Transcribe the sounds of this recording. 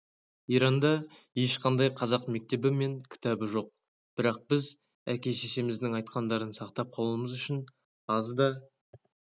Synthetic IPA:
iɾɑnd̪ɑ | je̞ʃqʰɑnd̪ɑjqʰɑzɑqmek̚t̪e̞bɪme̞ŋkʲʰɪ̥t̪ɑbɪʒo̞q̚ | b̥ɪɾɑq̚b̥ɪz | ækʲe̞ʃeʃe̞mɪzd̪ɪŋɑjt̪qɑnd̪ɑɾənsɑqt̪ɑp̚qʰɑlˠuəməzʏʃɪn | ɑzd̪ɑ

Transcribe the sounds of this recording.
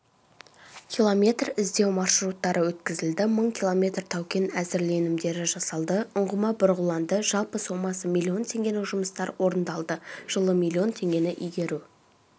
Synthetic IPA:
kʲʰilˠo̞mʲe̞t̪rɪzd̪e̞wmɑʃɾut̪ːɑɾʔəwɵt̪kʲɪzɪld̪ɪməɴkʲʰilˠo̞mʲe̞t̪rt̪ʰɑwkʲe̞næzɪɾle̞nɪmd̪e̞ɾɪʒɑsɑlˠd̪əʊɴʁəmɑbʊɾʁəlˠɑnd̪əʒɑlˠpəso̞mɑsəmʲilʲˠːio̞nt̪ʰe̞ŋɡʲe̞nɪʒʊməst̪ɑɾwo̞ɾənd̪ɑlˠd̪əʒ̥əlˠəmʲilʲˠːio̞nt̪ʰe̞ŋɡʲe̞nɪʔijɡʲe̞ɾu

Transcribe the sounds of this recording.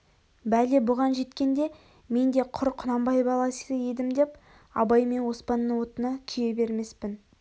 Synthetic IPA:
bælebʊʁɑnʒe̞t̪kʲe̞nd̪e̞ | me̞nd̪eqʰʊɾqʰʊnɑmbɑjbɑlˠɑsəje̞d̪ɪmd̪e̞p | ɑ̰bɑjme̞nwo̞spɑnːəwo̞t̪ənɑt̪ʲʰije̞be̞ɾme̞spɪn

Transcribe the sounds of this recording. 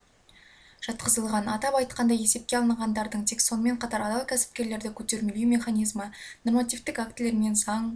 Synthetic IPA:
ʒ̥ɑt̪qəzəlˠʁɑnɑt̪ɑpɑjt̪̚qɑnd̪ɑje̞se̞p̚kʲe̞ɑlˠənɑʁɑnd̪ɑɾd̪əɴt̪ʰe̞kso̞nəme̞ɴqʰɑt̪ɑɾɑd̪ɑlˠkʲʰæsɪ̥p̚kʲe̞ɾle̞ɾd̪ɪkʲʰɵt̪e̞ɾmelemʲe̞χanʲijzməno̞rmat̪ʲijvt̪ɪkak̚t̪ɪle̞ɾme̞nsɑɴ

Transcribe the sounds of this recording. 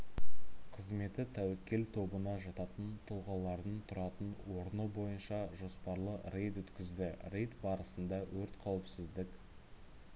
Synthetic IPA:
qʰəzme̞t̪ɪt̪ʰæwɪkʲe̞lt̪ʰo̞bənɑʒɑt̪ɑt̪ənt̪ʰʊlˠʁɑlˠɑɾd̪əɴt̪ʰʊɾɑt̪ənwo̞ɾnəbo̞jənʃɑʒo̞spɑɾlˠəre̞jt̪wɵt̪kʲɪzd̪ɪrejt̪bɑɾəsənd̪ɑwɵɾt̪qʰɑwɪpsɪzd̪ɪkʲ

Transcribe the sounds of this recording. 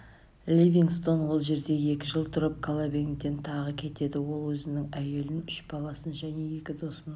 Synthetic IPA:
lʲivʲiŋst̪o̞nwo̞lˠʒe̞ɾd̪e̞je̞kʲɪʒəlˠt̪ʰʊɾəp̚kʰalˠabe̞ŋt̪ːe̞nt̪ʰɑʁəkʲʰe̞t̪e̞d̪ɪwo̞lˠwɵzɪnɪŋæje̞lɪnʏʃbɑlˠɑsənʒæne̞je̞kʲɪd̪o̞sən

